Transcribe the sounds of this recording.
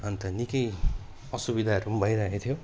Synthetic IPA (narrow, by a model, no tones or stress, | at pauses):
ʌnt̪ʌnikʌj | ʌsubid̪ʱaʌɾumbʱʌjɾaɦet̪ʰijo